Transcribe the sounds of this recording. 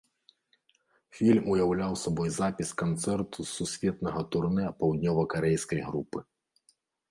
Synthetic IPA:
fʲilʲmujawlʲawsabɔjzapʲiskant̪sɛrt̪ʰususʲvʲɛt̪nɐɣɐt̪urnɛpɐwd̪ʲnʲɔvɐkaɾɛjskɐjɣɾupɨ

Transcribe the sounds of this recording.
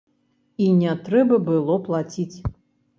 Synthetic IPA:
inʲɛt̪ɾɛbɐbɨlˠɔplˠat͡sʲit͡sʲ

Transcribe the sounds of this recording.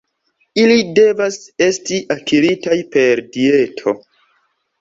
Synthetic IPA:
ilide̞vase̞stiʔakiɾitajpe̞ɾdie̞tʰo̞̰

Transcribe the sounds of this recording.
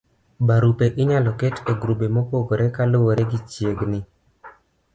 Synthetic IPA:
baɾupeʔɪɲalɔkɛteɡɾubemopoɡoɾɛkalowoɾɛɡɪt͡ʃjeɡnɪ

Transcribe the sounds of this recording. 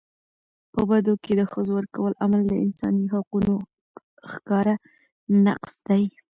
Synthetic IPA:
pəbad̪oked̪əxəzowəɾkawəlʔamald̪əɪ̰nsɑ̰niɦaquno | xkɑɾa | na̰qsd̪aj

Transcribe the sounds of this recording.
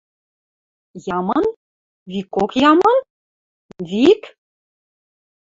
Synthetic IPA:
jɑmɤn | vikokjɑmɤ̆n | vik

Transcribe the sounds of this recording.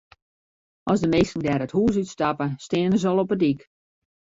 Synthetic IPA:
ʔɔsdəmeːstŋ̩dɛːɾəthuːs̬ytstapəstɪːnəz̬ɔlˠɔpədik

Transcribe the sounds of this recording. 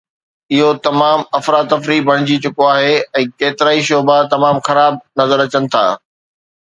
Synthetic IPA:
ɪɦot̪ɐmaːmɐfɾaːt̪ːɐfɾibʱɐɽ̃ɪd͡ʑit͡ɕʊkoaːɦeɛ̃ːkeːt̪ɪɾaːiʃoːbat̪ɐmaːmxɐɾaːb̚nɐzəɾɐt͡ɕənɪ̆t̪ʰa̰ː

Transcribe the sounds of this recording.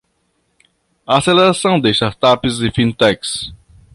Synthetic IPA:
aːseleɾasɐ̃w̃d̪ɪst̪aɾt̪apɪzɪfĩnt̪ɛks

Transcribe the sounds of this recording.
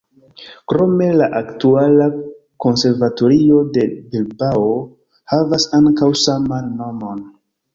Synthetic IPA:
kɾo̞me̞laʔaktuala | ko̞nse̞ɾvato̞ɾiode̞bilbao | havasaŋkawsamanːo̞mo̞n

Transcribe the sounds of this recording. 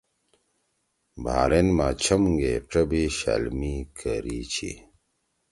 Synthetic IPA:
bʱa̰ːɾenmaːt͡ɕʰɐmɡeʈ͡ʂɐbiɕa̰lmikʰəɾit͡ɕʰḭ

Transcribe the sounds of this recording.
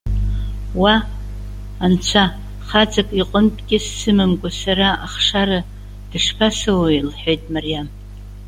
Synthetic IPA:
wa | ant͡ɕʷʰa | χad͡zakʼiqʼəntʼɡʲʼɪsːɨmɨmkʷʼasaɾaaχʂaɾa | d̥ɨʂpʰasawailħejtʼmarijam

